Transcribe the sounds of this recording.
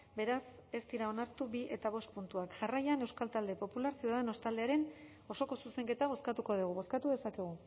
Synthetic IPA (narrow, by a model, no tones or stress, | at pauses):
be̞ɾase̞st̪iɾao̞naɾt̪uβiʔe̞t̪aβ̞o̞st̪̚punt̪uakʝarajane̞wskalt̪ald̪e̞po̞pulaɾsiuðaðeno̞st̪ald̪eaɾe̞n | o̞so̞ko̞suse̞ŋke̞t̪aβ̞o̞skat̪uko̞ðuɣ̞uβo̞skat̪uðe̞sake̞ɣ̞u